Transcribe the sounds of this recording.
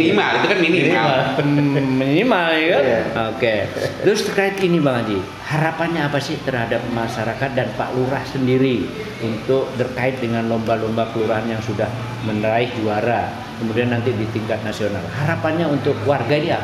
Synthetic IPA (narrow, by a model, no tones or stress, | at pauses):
imait̪ukanmininiam | mənimakaoket̪ɾʊst̪ərkaɪt̪inibaŋad͡ʒi | haɾapanɲaːpasɪht̪ərhadap̚maʃaɾakat̪̚danpa̰ʔluɾahsəndiɾi | unt̪ʊk̚t̪ərkaɪt̪̚dəŋanlombalombakəluɾaɦanjaŋsudah | mənɾaɪhd͡ʒuaɾa | kəmudianːant̪idit̪iŋkat̪̚nasiona̰lhaɾapanɲaunt̪ʊk̚warɡainia